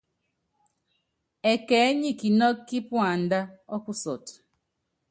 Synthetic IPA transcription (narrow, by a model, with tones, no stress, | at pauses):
ɛ˨kɛ˨˦ɲi˦˨ki˨nɔ˦kːi˦pwa˨n˦da˦ɔ˦ku˦sɔ˨t